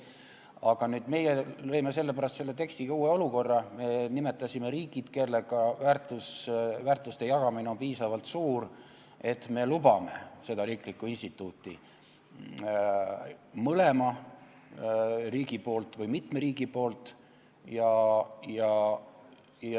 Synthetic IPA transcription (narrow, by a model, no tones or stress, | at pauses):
ɑɡ̥ɑnyːd̪me̞jelɤ̞jme̞se̞lːe̞pæɾɑst̪selːe̞t̪e̞kst̪ikɑuːe̞o̞luko̞rːɑme̞nime̞t̪ːˑɑsime̞ɾiːɡid̪̥kelːeɡ̥ɑvæːrt̪ːˑusvæːrt̪lust̪e̞jɑɡ̥ɑmineo̞npiːsɑvɑlt̪suːɾ | e̞t̪ːme̞lubɑme̞̰se̞d̪̥ɑɾiːklikːˑuinst̪it̪ːˑuːt̪ːˑi | mɤle̞mɑ | riːɡipo̞ːlt̪vɯjmit̪me̞ɾiːɡipo̞ːlt̪ | jɑjɑ